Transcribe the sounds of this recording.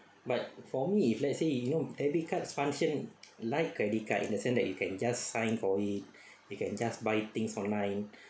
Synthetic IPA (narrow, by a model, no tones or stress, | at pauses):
bat̚fɔmiːflɛtsejunodɛbit̚kʰatsfãŋʃə̃nlajt̚kɹɛdit̚katḭ̃ndəsɛ̃nsdɛt̚jukɛ̃nd͡ʒasːãjnfɔit̚ | jukɛ̃nd͡ʒasbajt̪ĩŋsɔ̃nlãj̃n